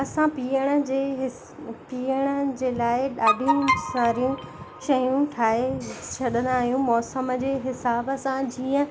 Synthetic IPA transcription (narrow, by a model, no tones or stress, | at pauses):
ɐsãpiːəɽ̃ə̆d͡ʑeːɦ | piːəɽ̃ə̆d͡ʑeːlaːɪɗaːɖʱijũsãɾijũʃɐjũʈʰaːɦet͡ɕʰɐɗə̃nd̪aːɦijũmɔːsəmə̆d͡ʑeːɦɪsaːbəsãd͡ʑiːə̃